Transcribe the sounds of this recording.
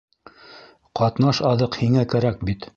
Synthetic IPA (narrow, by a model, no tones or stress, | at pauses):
qɑt̪nɑʃɑðɤqhiŋækæɾæk̚bit̪